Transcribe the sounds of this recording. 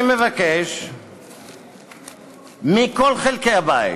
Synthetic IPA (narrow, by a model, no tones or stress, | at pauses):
mevakeʃ | miko̞lχelkejhabaḭ